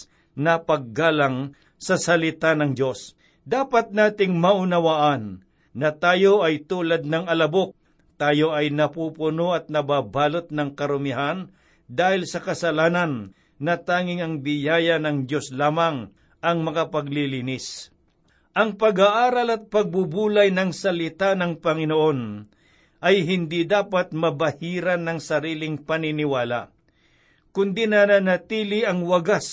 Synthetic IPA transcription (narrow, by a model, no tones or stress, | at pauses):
nɐpɐɡ̚ɡaːlaŋ | sɐsɐlɪt̪anɐŋdo̞s | d̪aːpat̪̚naːt̪ɪŋmɐʔʊnɐwaʔanː | ɐt̪aːjoʔɐjt̪uːlad̪̚nɐŋɐlɐbok̚ | t̪aːjoʔɐjnɐpupʊnoɐt̪̚nɐbaːbaːlot̪̚nɐŋkɐɾʊmɪɦan | d̪aːhɪlsɐkɐsɐlaːnɐnː | ɐt̪aːŋɪŋɐŋbɪjaːjɐnɐŋd̪jo̞slaːmɐŋ | ʔɐŋmɐkapɐɡ̚liliːnɪs | ʔɐŋpɐɡaʔaːɾɐlɐt̪̚pɐɡ̚bubuːlajnɐŋsɐlɪt̪anɐŋpɐŋɪnoʔo̞n | ʔɐjɦɪnd̪id̪aːpat̪̚mɐbɐhiːɾɐnɐŋsɐɾiːlɪŋpɐnɪnɪwaːla̰ | kʊnd̪inɐnanɐt̪iːlɪɐŋwɐɡas